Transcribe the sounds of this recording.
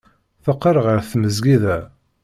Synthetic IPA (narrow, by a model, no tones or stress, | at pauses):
θəqːəɾˤəʁəɾθməzɡiðæ